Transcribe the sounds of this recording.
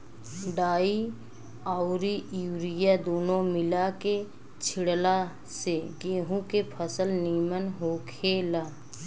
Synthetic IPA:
ɖaːi | aːʊɾijuːɾijad̪oːnõmɪlake | t͡ʃʰɪɽla | seɡeːɦũkepʰəsəlniːmənɦokʰeːlaː

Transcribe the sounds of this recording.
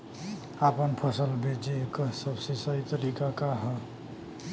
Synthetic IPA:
apənpʰəsəlbʱed͡ʒekəsəbsesəɦit̪əɾikakaɦə

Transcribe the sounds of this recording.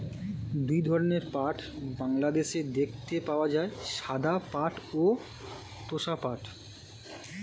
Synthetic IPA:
d̪ujd̪ʱɔɾoneɾpaʈʰbaŋlad̪eʃed̪ekʰt̪epaoad͡ʑaeʃad̪apaʈo | t̪oʃapaʈ

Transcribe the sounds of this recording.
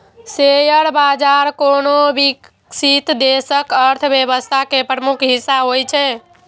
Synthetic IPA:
sejəɽbad͡ʒaɾkonobik | sit̪d̪esəkəɾt̪ʰbjeβəst̪ʰakepɾəmukʰɦisːaɦojt͡ʃʰɛ

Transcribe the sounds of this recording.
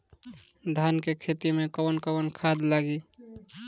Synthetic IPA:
d̪ʱankekʰet̪imekəwənkəwənkʰad̪laɡi

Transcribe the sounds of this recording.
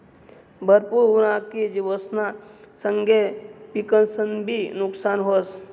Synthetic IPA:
bʱəɾpuɾʊɾãked͡ʒiʋəsnasə̃ŋɡepikənsənbʱinʊksaːnɦos

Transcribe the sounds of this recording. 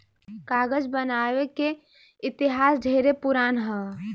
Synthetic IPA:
kaːɡəd͡ʒbənaːʋeke | ɪt̪ɪɦaːsdʱeːɾepʊɾaːnɦɛ̃ː

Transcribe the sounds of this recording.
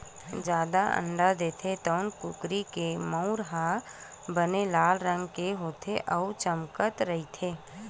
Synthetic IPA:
d͡ʒjaːd̪aʔə̰̃ɳɖad̪eːt̪ʰet̪ɔːnkʊkɾikeməʊɾɦa | bənelaːlɾə̃ŋɡkeɦoːt̪ʰeʔət͡ʃəmkət̪ɾɐɦit̪ʰeː

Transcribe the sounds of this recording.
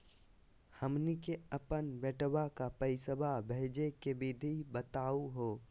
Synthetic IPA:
həmnikeəpənbɛʈbakapəɪsəbʱabʱɛɦd͡ʒekebɪd̪ʱibət̪aːuɦoː

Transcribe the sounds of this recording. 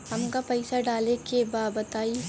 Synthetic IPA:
hɐmkapɐɪsaɖaːlekebaːbɐt̪aːi

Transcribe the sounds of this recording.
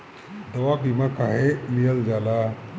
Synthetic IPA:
d̪əʋakimakaɦemijəld͡zala

